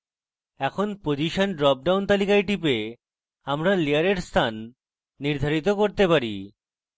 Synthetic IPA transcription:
ɛkʰonpod͡ʑiʃanɖɾɔp̚ɖawnt̪alikajʈipe | amɾalijaɾeɾst̪ʰanː | iɾd̪ʱaɾit̪okoɾt̪epaɾi

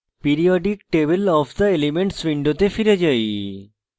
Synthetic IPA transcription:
piɾiɔɖikʈeβelɔfʰd̪ɐelimeɳʈsʋiɳɖot̪efiɾed͡ʑaj

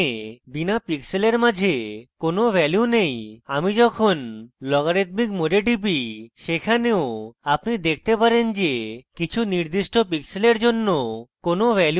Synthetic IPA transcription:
binapikseleɾmad͡ʒʱekonobʱɛljunejamid͡ʒɔkʰonlɔɡaɾit̪mikmoɖeʈip̬iʃekʰaneoapnid̪ek̚ʰt̪epaɾend͡ʒekit͡ɕʰuniɾd̪iʃʈopikseleɾd͡ʒonːokonobɛlj

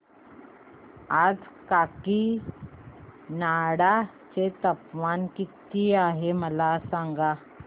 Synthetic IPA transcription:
ad͡zkaːki | naɽa | t͡ʃet̪əpʋaːnkit̪iaːɦeməlasãŋɡa

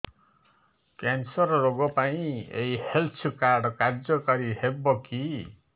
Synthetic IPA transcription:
kensɔɾɔɾoɡɔpaĩḛihelt͡ʃʰkaɾɖkaɾd͡ʒɔkaɾihebɔki

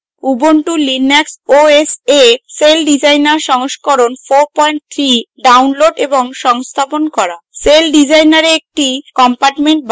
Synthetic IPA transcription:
ubonʈulineksoeseselɖid͡ʑajnaɾʃɔŋʃkɔɾonfoɾpɔjɳʈ̚t̪ʰɾiɖawnloɖeboŋʃɔŋst̪ʰaponkɔɾaselɖid͡ʑajnaɾeek̚ʈikɔmpaɾʈmeɳʈ̚b

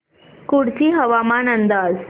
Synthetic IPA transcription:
kuɽt͡ɕiːɦəʋamanənd̪ad͡z

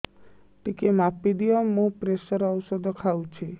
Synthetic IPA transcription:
ʈikemapid̪ijɔmũpɾeʃəɾɔwsɔd̪ɔkʰawt͡ʃʰe

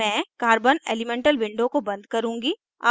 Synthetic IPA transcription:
ɛ̃ːkaːɾbəneːlɪmɛ̃ːɳʈəlʋɪ̃ɳɖõkobɐ̃nd̪̚kɐɾũːŋɡi | aː

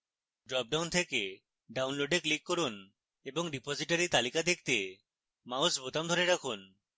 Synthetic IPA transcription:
ɖɾɔp̚ɖawnt̪ʰeke | ɖawnloɖeɾklikːoɾun | eboŋɖipoziʈaɾit̪alikad̪ek̚ʰt̪e | mausbot̪amd̪ʱoɾeɾakʰun

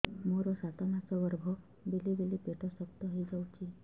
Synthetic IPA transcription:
moɾɔsat̪ɔnat͡sɔʋəɾbʱɔ | belibelipeʈʰɔsəkt̪ɔɦid͡zawt͡ɕi

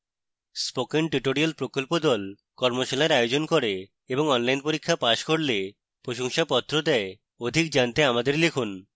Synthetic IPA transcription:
spokenʈiʈoɾialpɾokolpod̪ɔl | kɔɾmoʃalaeɾajod͡ʑonkoɾe | eboŋɔnlajnpoɾikʰːapaʃkoɾle | pɾoʃoŋʃapɔt̪ːɾod̪ɛe | od̪ʱik̚d͡ʑant̪eamad̪eɾlekʰun

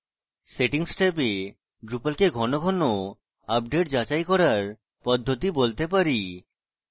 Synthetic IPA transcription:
seʈiŋsʈep̬e | ɖɾupalkeɡʱɔnoɡʱɔno | ap̚ɖeʈd͡ʑat͡ɕajkɔɾaɾ | pɔd̪ʱːot̪ibolt̪epaɾi

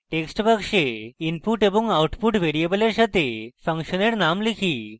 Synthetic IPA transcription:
ʈeksʈpəkʂeinpuʈeboŋɡawʈpuʈʋeɾiebəleɾɕat̪efʰəŋkʃəneɾnamlikʰi

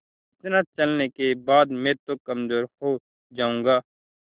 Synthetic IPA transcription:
ɪt̪naːt͡ʃəlnekebaːd̪mɛ̃ːt̪okəmzoːɾhoː | d͡ʒaːũːŋɡaː

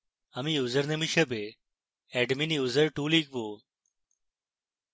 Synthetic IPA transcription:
ɐmĩːjuːzəɾnemiʃəbe | ɛːɖminjuːzəɾʈuːliːk̚boː

